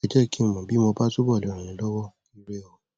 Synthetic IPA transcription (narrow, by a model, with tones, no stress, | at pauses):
ɛ˨d͡ʒɛ˦˨ki˦mõ˨mã˨bi˨˦mõ˧ba˦tu˦bɔ˦˨le˨ɾ̃ĩ˨nĩ˨lɔ˦wɔ˦ | i˦ɾe˦o˨˦